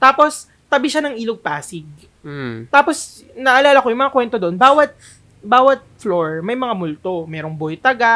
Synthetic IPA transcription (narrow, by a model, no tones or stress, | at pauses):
t̪aːpos | t̪ɐbɪʃanɐŋʔiːloɡ̚paːsɪɡ̚ | t̪aːpo̞s | nɐʔɐlaːlɐko̞jʊŋmɐŋakwɛnt̪od̪oʔonbaːwɐt̪̚ | baːwɐt̪̚floɹmɐjmɐŋamʊlt̪o̞mɛːɾoŋbojt̪ɐɡa